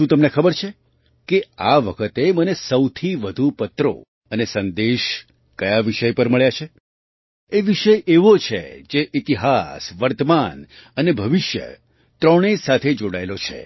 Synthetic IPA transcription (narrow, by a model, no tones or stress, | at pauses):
ʃũt̪əmnekʰəbəɾt͡ʃʰe | keaʋəkʰət̪emənesəwt̪ʰiʋəd̪ʱupət̪ɾo̰ | ənesənd̪eʃ | kəjaʋiʃəjpəɾməɭjat͡ʃʰe | eʋiʃəjʔeʋot͡ʃʰḛd͡ʒeʔit̪iɦasʋəɾt̪əmanənebʱəʋɪʃjə̰ | t̪ɾɔɽ̃esat̪ʰed͡ʒoɽaelot͡ʃʰḛ